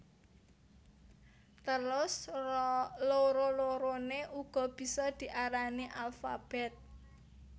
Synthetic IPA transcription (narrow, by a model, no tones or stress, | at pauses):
t̪əlʊs | loɾoloɾoneʔuɡ̥ɔ̤b̥i̤sɔd̪̥i̤ʔaɾaniʔalfab̥ɛt̪̚